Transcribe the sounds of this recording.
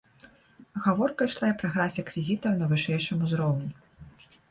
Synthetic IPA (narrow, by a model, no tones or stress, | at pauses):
ɣavɔrkɐjʂlˠajɛpɾɐɣɾafʲikvʲizʲit̪ɐwnɐvɨʂɛjʂɨmuzɾɔwnʲɛ